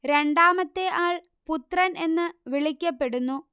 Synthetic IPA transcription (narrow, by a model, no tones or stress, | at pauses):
ɾe̞ɳɖaːmɐt̪ːe̞ʔaːɭ | put̪rɐne̞nːɨʋiɭikʲːɐpːe̞ɽunːu